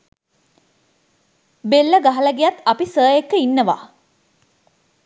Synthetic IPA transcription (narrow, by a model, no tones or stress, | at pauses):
belːəɡaɦɐləɡejat̪ɐpisəːjekːəinːəʋa̰